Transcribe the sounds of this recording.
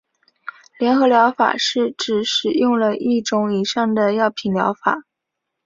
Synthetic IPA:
ljɛ˧˥nxɤ˧˥ljɑ˧˥ʊfa̰˨˩ʂɻ̩˥˩ʈ͡ʂɻ̩˨˩ʂɻ̩˨˩jʊ˥˧ŋlə˨ʔi˥˩ʈ͡ʂʊ˧˥ŋi˨˩ʂɑ˥˩ŋd̪ə˩jɑ˥˩ʊpʰi˨˩nljɑ̰˧˥ʊfa̰˨˩˦

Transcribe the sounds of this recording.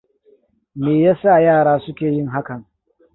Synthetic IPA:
meː˨jaː˦sa˦˨jaː˦˨ɽaː˦sʊ˦kʲeː˨jɪ˦˨ŋɦa˦kɐ˨ŋ

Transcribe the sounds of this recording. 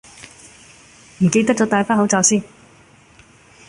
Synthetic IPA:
m̩˨˩ke˧jt̪ɐ˥k̚t͡sɔː˨˥t̪aː˨˧jfaː˥nɦo˨˥wt͡saː˨˧wsiː˥n

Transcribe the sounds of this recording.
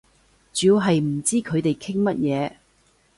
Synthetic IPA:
t͡ʃyː˨˧wɦɐ˨jm̩˨˩t͡siː˥kʰɵ˨˧ɥt̪e˨jkʰɪ˥ŋmɐ˥t̚jɛː˨˧

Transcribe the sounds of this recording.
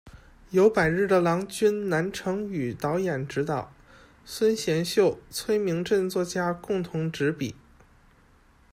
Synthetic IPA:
jo˧˥ʊpa˨˩ɪɻɻ̩˥˩d̪ə˩lɑ˧˥ŋt͡ɕy˥nna˧˥nʈ͡ʂʰɤ˧˥ŋy˨˩t̪ɑ˧˥ʊjɛ˨˩nʈ͡ʂɻ̩˧˥t̪ɑ˨˩˦ʊ | swə˥nɕjɛ˧˥nɕjo˥˩ʊt͡sʰwe˥ɪmi˧˥ŋʈ͡ʂɤ˥˧nt͡swɔ˥˩t͡ɕja˥kʊ˥˩ŋt̪ʰʊ˧˥ŋʈ͡ʂɻ̩˧˥pḭ˨˩˦

